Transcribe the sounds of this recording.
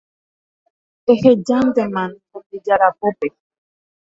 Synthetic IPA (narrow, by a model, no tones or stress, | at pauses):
ehed͡ʒãnt̪emãnhubid͡ʒaɾapope